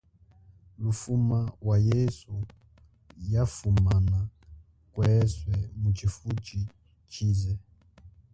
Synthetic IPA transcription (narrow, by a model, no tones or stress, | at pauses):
lufumawajesu | jafumana | kwɛswɛmut͡ʃifut͡ʃi | t͡ʃizɛ